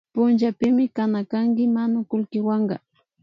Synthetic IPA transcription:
pʊnt͡ʃapɪmɪkanakaŋkɪmanʊkʊlkɪwɑɴɢɑ̰

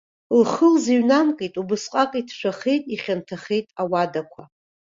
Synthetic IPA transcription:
lχəlziɥnamkʼijtʼubɨsqʼakʼitʰʃʷʰaχejtʼiχʲantʰaχejtʼawadakʷʰa

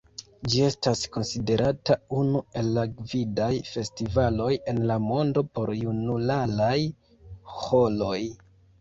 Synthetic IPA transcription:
d͡ʒie̞stasko̞nside̞ɾʔataunue̞lːaɡvidajfe̞stivalo̞je̞nlamo̞ndo̞po̞ɾjunulalaj | ho̞lo̞j

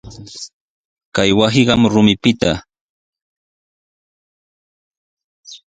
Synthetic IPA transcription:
kajwasɪɢɑmɾʊmɪpɪt̪a

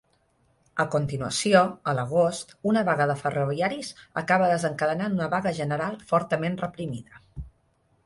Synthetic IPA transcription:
əkunt̪inuə̰sioələɣ̞ost̪unəβəɣaðəfəroβiaɾizə̰kaβəðəzəŋkəðənanunəβaɣəʒənəɾalˠfɔɾt̪əmenrəpɾimiðə

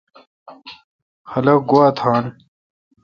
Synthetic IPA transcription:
xɐlɐk̚ɡowaːt̪ʰaːn

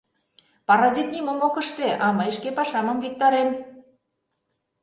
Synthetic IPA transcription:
pɑɾɑzit̪̚nʲimə̆mokə̆ʃt̪eʔɑmɤjəʃkepɑʃɑmɤ̆mvik̚t̪ɑɾem

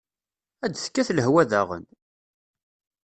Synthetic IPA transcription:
æd̪θkːæθləɦwæðæʁə̰n

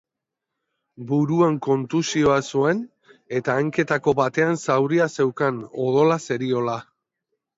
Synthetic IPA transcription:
buɾuaŋko̞nt̪usio̞asue̞n | e̞t̪aːŋke̞t̪ako̞βat̪e̞ansawɾiase̞wkano̞ðo̞lase̞ɾio̞la

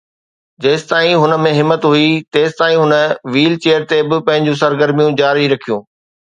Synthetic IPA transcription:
d͡ʑɐːst̪aːĩɦʊnə̆mẽɦɪmːət̪ɦuit̪eːst̪aːĩɦʊnəʋiːlt͡ɕeːəɾt̪ebɪpɐ̃ɦɪ̃ɲd͡ʑũsɐɾɡəɾmijũd͡ʑaːɾiɾɐkʰijũː

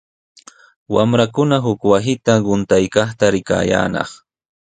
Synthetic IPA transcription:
wamɾakʊnaɦʊkwasɪt̪aɢʊnt̪ajkɑχt̪aɾɪka̰ːja̰ːnɑ̰χ

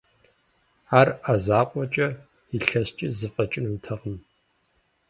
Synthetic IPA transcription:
aːrazaːqʷʼɔt͡ʃʼɐ | iɬɐst͡ʃʼɪzɨfʼɐt͡ʃʼɪnɨmtʰɐʁəm

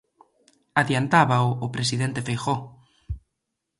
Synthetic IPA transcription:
aðjant̪aβaʊːpɾesiðent̪efejxo

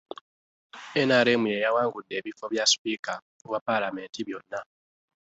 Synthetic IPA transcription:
enaɾe̞ːmuje̞jawaːŋɡudːe̞ːβifo̞βjaspika | wapalame̞ːntiβjo̞nːa

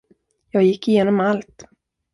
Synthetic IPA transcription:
jɑːɡjɪkːɪjeːnɔmalt̪

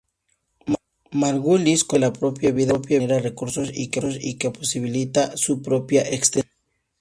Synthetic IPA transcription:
maɾɣuliskelapɾopjaβiðapjaɾarekuɾsosḭkesikeposiβilit̪asupɾopjaʔekst̪e

